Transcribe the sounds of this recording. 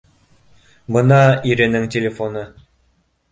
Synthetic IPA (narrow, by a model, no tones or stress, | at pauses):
bɤ̆nɑiɾɘ̆nɘŋtʲelʲefonɤ